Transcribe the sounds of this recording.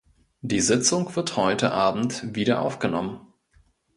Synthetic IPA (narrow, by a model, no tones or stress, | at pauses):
d̥iːzɪt͡sʊŋv̥ɪɐthɔʏtəʔaːbm̩tviːɾɐʔa̰ʊfɡ̥ənɔmən